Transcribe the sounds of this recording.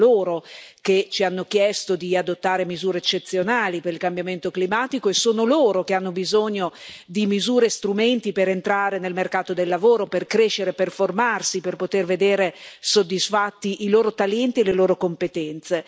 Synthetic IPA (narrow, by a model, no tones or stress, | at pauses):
loːɾoket͡ʃianːokjɛst̪od̪iad̪ot̪ːaːɾemizuːɾeet͡ʃːet̪sːjonaːlipeɾilkambjament̪oklimaːt̪ikoesoːnoloːɾokeanːobizoɲːod̪imizuːɾest̪ɾument̪ipeɾent̪ɾaːɾenelmerkaːt̪od̪elːavoːɾoperkɾeʃːeɾeperformarsiperpot̪erved̪eːɾesod̪ːisfat̪ːiʔiloːɾot̪aljɛnt̪ieleloːɾokompet̪ɛnt̪se